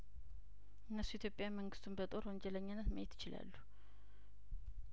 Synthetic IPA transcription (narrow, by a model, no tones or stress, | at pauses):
ʔɨnːəsːuit̪jo̞pʼjamːəŋɡɨst̪ʰunbət̪ʼo̞ɾwɔɲd͡ʒɛləɲːanːət̪məjet̪jɪt͡ʃɪla̰lːu